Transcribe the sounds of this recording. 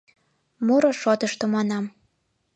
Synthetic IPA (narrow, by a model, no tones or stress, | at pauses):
moɾoʃot̪əʃt̪ŏmɑnɑm